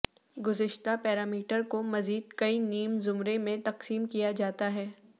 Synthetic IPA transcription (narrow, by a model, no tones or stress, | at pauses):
ɡʊzɪʃt̪apɛːɾaːmiːʈəɾkomɐziːd̪̚kɐiniːmzʊmɾemẽt̪ɐqsiːmkijad͡ʒaːt̪aɦɛː